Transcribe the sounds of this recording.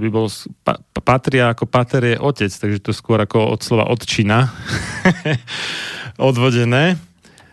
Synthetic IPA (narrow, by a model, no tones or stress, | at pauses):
bibɔlspa̰pat̪ɾɪaːkɔpat̪ɛɾjɛʔɔcɛt͡st̪aɡʒɛt̪ɔskʊɔɾakɔɔ̰t̪slɔʋa̰ʔɔt̪t͡ʃina | ɔd̪ʋɔɟɛnɛː